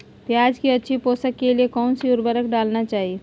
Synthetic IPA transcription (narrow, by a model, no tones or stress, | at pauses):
pjaːd͡ʒkiɐtːʃʰipoːsəkːeliekɔːnsiʊɾbəɾəkɖaːlnat͡ʃaːɦie